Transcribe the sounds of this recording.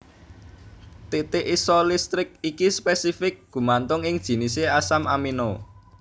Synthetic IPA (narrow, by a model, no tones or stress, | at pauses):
t̪it̪ɪʔisɔlist̪ɾɪk̚ikispɛsifɪk̚ɡ̥ṳmant̪ʊŋɪŋd̥ʒ̥i̤niseasamamino